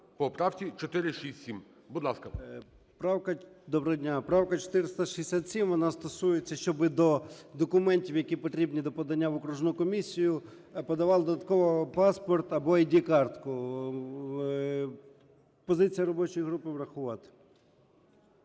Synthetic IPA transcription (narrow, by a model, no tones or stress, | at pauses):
pɔpɾɑwtʲit͡ʃɔt̪ɪɾɪʃisʲtʲsʲim | bud̪lˠɑskɐ | pɾɑwkɐd̪ɔbɾɔdʲnʲapɾɑwkɐt͡ʃɔ̥t̪ɪɾɪst̪ɐʃizesʲat̪sʲimʋɔnɑst̪ɔsujet͡sʲːɐʃt͡ʃɔbɪd̪ɔd̪ɔkʊmɛnʲtʲiwjɐkʲipɔt̪ɾʲibnʲid̪ɔpɔd̪ɐnʲːaʋɔkɾuʒnʊkɔmʲisʲːijʊ | pɔd̪ɐʋɑlˠd̪ɔd̪ɐt̪̚kɔʋɔpɑspɔrt̪ɐbɔidʲikɑrt̪kʊ | pɔzɪt͡sʲijɐɾɔbɔt͡ʃɔjiɦɾupɪʋɾɐxʊʋɑt̪ɪ̥